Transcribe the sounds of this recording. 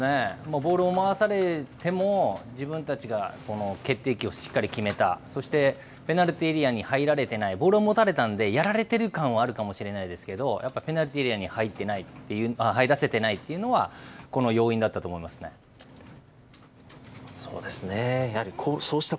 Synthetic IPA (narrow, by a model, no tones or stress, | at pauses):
nemoːbo̞ːɾɯ̟omaasaɾe̞t̪e̞mo̞d͡ʑibɯ̟̃nt̪at͡ɕiɡako̞no̞ke̞t̪ːe̞ːkʲio̞ɕi̥kːaɾʲikʲime̞t̪a̰so̞ɕi̥t̪e̞ | pe̞naɾɯ̟t̪eɾʲiaɲ̟ihaiɾaɾe̞t̪e̞naibo̞ːɾɯomo̞t̪aɾe̞t̪ãnd̪e̞jaɾaɾe̞t̪e̞ɾɯ̟kãɰ̃βaːɾɯ̟kamo̞ɕiɾe̞naid̪e̞sɨ̥ke̞d̪o̞jʔapːaipʲe̞naɾɯ̟t̪eɾʲiaɲ̟ihait̪ːe̞nait̪ːe̞jɯ̟aɦaid̪ase̞t̪e̞nait̪ːe̞jɯ̟no̞βako̞no̞jo̞ːĩnd̪at̪ːat̪o̞ːmo̞imasɨ̥ne̞̰ | so̞̰ːd̪e̞sɨnejahaɾʲikʰoːso̞ːɕi̥t̪a